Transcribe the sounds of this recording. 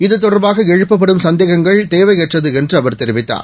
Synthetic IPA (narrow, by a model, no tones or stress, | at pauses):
ɪðɯt̪ːɔɽɐɾbaːɣɐɛɻɯppːɐpːɐɽɯmsɐnd̪eːɣɐŋɡɐɭt̪eːʋɐɪjɛʈrɐðɯɛndrɯɐʋɐɾt̪ɛɾɪʋɪt̪ːa̰ːɾ